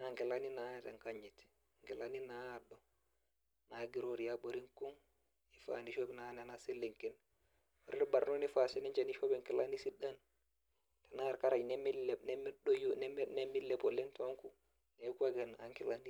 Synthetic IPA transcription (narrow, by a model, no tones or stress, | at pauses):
aŋkɛlaninataŋkaɲːiti̥ | ŋkɛlaninaɗɔ | naɡiɾoɾijaboɾiŋkun | ifa̰niʃobɛnanɛnaselːiŋkɛn | ɔɾiɾbaɾnɔnifasɛnɛɲd͡ʒaniʃobɛŋkɛlanisiɗan | tɛnaɾkaɾanɛmilɛnɛmɗɔjnmnɛmilːɛpɔlɛntɔŋku | nɛkwaɡɛnaŋkɛlani